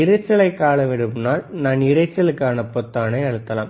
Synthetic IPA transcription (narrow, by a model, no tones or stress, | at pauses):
ɪɾɐɪt͡ʃːɐlɐɪkːaːlɐʋɛɽɯmnaːlnaːnɪɾɐɪt͡ʃːɐlɯkːaːnɐpːɔt̪ːaːnɐɪɐɻɯt̪ːɐla̰ːm